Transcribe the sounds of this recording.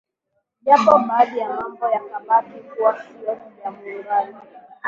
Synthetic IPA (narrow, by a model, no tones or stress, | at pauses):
japɔmalijamambɔjakaɓakikuwakijɔsijamuɾali